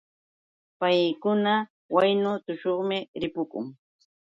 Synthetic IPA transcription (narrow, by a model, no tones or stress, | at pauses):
pajkʊna | wajnʊt̪ʊʃoχmɪɾɪpʊkʊ̰ŋ